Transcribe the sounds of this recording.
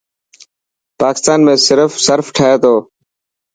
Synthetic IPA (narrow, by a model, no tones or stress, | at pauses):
paːkɪst̪aːnmẽːsɪɾəfsəɾfʈʰaɦeːt̪oː